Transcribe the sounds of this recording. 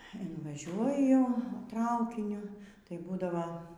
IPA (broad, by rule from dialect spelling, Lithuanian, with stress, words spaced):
ɪnʋɐˈʒʲuɔjʊ ˈtrɐʊkʲɪnʲʊ tɐɪ ˈbuːdɐʋoː